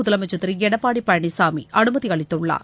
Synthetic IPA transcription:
ʊðɐlɐmɐt͡ʃːɐt̪ːɪɾiɛɽɐpːaːɽipːɐjɐɳisaːmḭʔɐɳɯmɐðiɐɭɪt̪ːɯɭːa̰ː

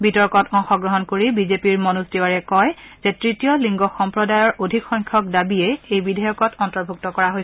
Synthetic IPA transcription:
bitɔɹkɔtɔ̃ŋxɔɡɹɔɦɔnkoɹibizepiɹmɔnusdewaɹɛkɔjzetɹitijɔliŋɡɔxɔmpɹɔdajɔɹʔodʱikxɔjŋkʰɔk̚dabiɛejbidʱajɔkɔtɔntɔɹbʱuk̚tɔkɔɹaɦoj

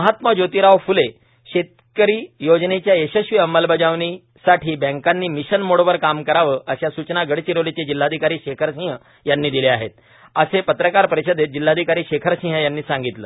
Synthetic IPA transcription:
məɦat̪məd͡ʑot̪iːɾaʋfule | ɕet̪̚ | kəɾiːjod͡ʑnet͡ɕjaeɕəɕʋiəməlbəd͡ʑaʋni | saʈʰiːbɛ̃ŋkanːiːmiɕənmoɽoʋəɾkamkəɾaʋəʔəɕjasut͡ɕnaɡəɽt͡ɕiɾolit͡sed͡ʑilːad̪ʱikaɾiːɕekʰəɾɕĩɦə | janːiːd̪ileaɦet̪̚ | əsepət̪ɾəkaɾpəɾeɕəd̪et̪̚d͡ʑilːad̪ʱikaɾiːɕekʰəɾɕĩɦəjanːiːsãŋɡit̪lə̰ː

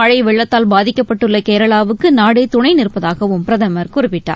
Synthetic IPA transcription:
ɐɻɐɪʋɛɭːɐt̪ːaːlbaːðɪkːɐpːɐʈːɯɭːɐkeːɾɐɭaːʋɯkːɯnaːɽɐɪt̪ʊɳɐɪnɪɾɯpːɐðaːɣɐʋɯmpɪɾɐðɐmɐɾkʊrɯpːɪʈːa̰ː

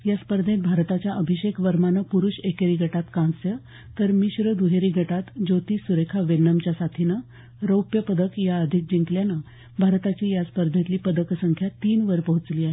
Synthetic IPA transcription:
jaspəɾd̪ʱẽt̪̚bʱaɾt̪at͡ɕjaʔəbʱiɕekʰʋəɾmanəpuɾuɕekeɾiːɡʱəʈat̪kãnsjə | t̪əɾmiɕɾəd̪uɦeɾiːɡʱəʈat̪d͡zot̪iːsuɾekʰaʋenəmt͡ɕjasat̪ʰinə | ɾəwpjəpəd̪əkjaəd̪ʱik̚d͡ʑiŋkljanə | bʱaɾt̪at͡ɕijaspəɾd̪ʱẽt̪liːpəd̪əksəŋkʰjat̪iːnʋəɾpəɦut͡sliːaɦe

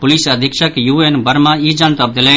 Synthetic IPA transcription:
pʊliːsəd̪ʱɪkʃəkjuːeːnbəɾmãːiːd͡ʒant̪əb̚d̪əle

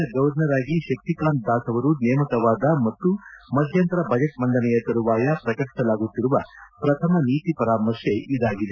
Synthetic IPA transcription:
ɐɡɐʋɾnɐɾaːɡiʃɐk̚t̪ikaːn̚d̪aːsɐʋɐɾunɛːmɐkɐʋaːd̪ɐmɐt̪ːumɐd̪ʱjɐnt̪ɾɐbʱɐd͡ʒɐʈ̚mɐɳɖɐnɛjɐkɐɾuʋaːjɐpɾɐkɐkʈɐlaːɡut̪ːiɾuʋɐpɾɐt̪ʰɐmɐniːt̪ipɐɾaːmɐɾʃeid̪aːɡid̪e

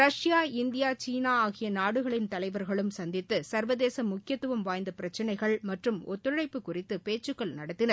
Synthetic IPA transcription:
ɾɐʂɪjaːɪnd̪ɪjaːt͡ʃiːnaːaːɣɪjɐnaːɽɯɣɐɭɪnt̪ɐlɐɪʋɐɾɣɐɭɯmsɐnd̪ɪt̪ːɯsɐɾʋɐðeːsɐmːʊkːɪjɐt̪ːɯʋɐmʋaːjnd̪ɐpɪɾɐt͡ʃːɐnɐɪɣɐɭmɐʈrɯmɔ̰t̪ːɯɻɐɪpːɯkːʊrɪt̪ːɯpeːt͡ʃːɯkːɐɭnɐɽɐt̪ːɪnɐɾ

